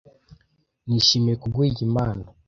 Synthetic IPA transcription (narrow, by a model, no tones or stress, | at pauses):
niʃimiekuɡwiiɟimaːna